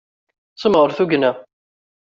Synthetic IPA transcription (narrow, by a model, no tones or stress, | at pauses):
t͡sːəmʁəɾθuɡnæ